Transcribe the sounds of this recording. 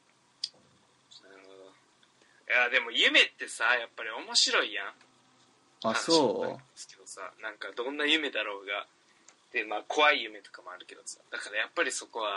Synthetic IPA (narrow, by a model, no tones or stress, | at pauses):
naɾɯ̟ho̞d̪o̞ | jad̪e̞mo̞jɯ̟me̞t̪ːe̞sajapːaɾʲio̞mo̞ɕiɾo̞ijã | aãnoḁsɨ̥ke̞d̪o̞sa̰nãŋkad̪õ̞nːajɯ̟me̞d̪aɾo̞ːɡa | t̪emaːkʰo̞βaijɯ̟me̞t̪o̞̥kamoaɾɯ̟ke̞d̪o̞sa̰d̪akaɾajapːaɾʲiso̞ko̞βa